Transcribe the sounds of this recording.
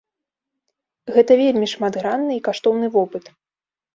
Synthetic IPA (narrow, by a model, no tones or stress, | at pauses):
ɣɛt̪ɐvʲelʲmʲiʂmad̪ɣɾanːɨikaʂt̪ɔwnɨvɔpɨt̪